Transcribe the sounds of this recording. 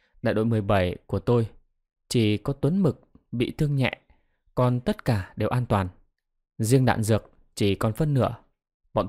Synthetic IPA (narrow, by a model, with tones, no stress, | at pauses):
ɗa̰ː˧˨jɗo̰˧˨m˨˩əjɓə˧˩jku˧˩ət̪o˧j | t͡ɕi˧˩kɔ˨˦t̪wə˨˦nmɨ˨˩k̚ɓḭ˧˨t̪ʰɨ˧əŋɲɛ̰˧˨ʔ | kɔ˧nt̪ə˦˥t̚kaː˧˩ɗe˨˩wʔaː˧nt̪waː˨˩n | zi˧əŋɗa̰ː˧˨nzɨ˨˩ək̚ | t͡ɕi˧˩kɔ˨˩nfə˧nːɨ̰˧˥ə | ɓɔ̰˧˨n